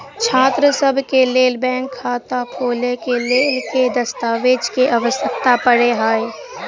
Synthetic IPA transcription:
t͡ʃʰaːt̪ɾəsəbʱkeleːlbɛ̃ːŋkʰːaːt̪apʰoːlekeleːlked̪ɐst̪aːʋeːd͡ʒkeʔɐʋəsək̚t̪apəɽeɦaːe

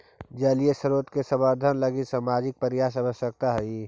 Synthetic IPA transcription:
d͡ʒɐliesəɾoːt̪kesɐbəɾd̪ʱənlɐɡisaːmaːd͡ʒɪk̚pəɾɪjaːs̬ɐbəsːək̚t̪aɦɛi

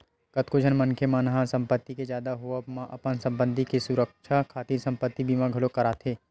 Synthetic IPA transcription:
kət̪kod͡ʒʱɐnmɐnkʰemaːnɦãsɐ̃mpət̪ːiked͡ʒjaːd̪aɦoamãʔɐpənsɐ̃mbə̃nd̪ʱikesʊɾəkʃʰakʰaːt̪iːɾsɐ̃mpət̪ːibʱiːmãɡʱɐlokɐɾaːt̪ʰeː

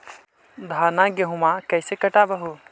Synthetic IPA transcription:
d̪ʱaːnaɡɐɦũmãkɐjsekɐʈaːbɐɦu

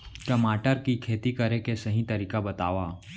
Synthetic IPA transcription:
ʈɐmaːʈəɾkikʰeːt̪ikɐɾekesɐɦĩt̪ɐɾiːkabɐt̪aːʋaː

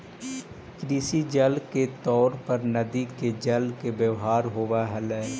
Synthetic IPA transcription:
kɾiːsid͡ʒɐlket̪ɔːɾpɐɾnɐd̪iked͡ʒɐlkebjəʋɦaːɾɦoːʋaɦɐlɛː

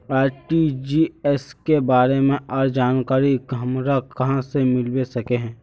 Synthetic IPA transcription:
aːɾʈid͡ʒiːɛskebaːɾemẽʔɔːɾd͡ʒaːnkaːɾiɡɦɐmɾakɐɦãsemɪlwesɐkeɦɛ̃ː

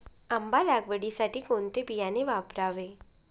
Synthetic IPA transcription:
əmbalaɡʋəɽisaʈiːkont̪ebijaneʋapɾaʋe

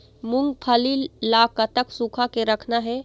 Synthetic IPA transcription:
mʊ̃ŋɡpʰəlilaːkət̪əksuːkʰakeɾəkʰnaɦɛː

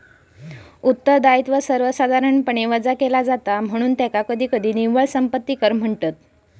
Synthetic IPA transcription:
ut̪ːəɾd̪ait̪ʋəsəɾʋəsad̪ʱaɾəɳpəɳ̃eʋəd͡zakelad͡zat̪am̤əɽ̃uːnt̪jakakəd̪ʱiːkəd̪ʱiːniʋəɭsəmpət̪ːiːkəɾm̤əɳʈət̪̚

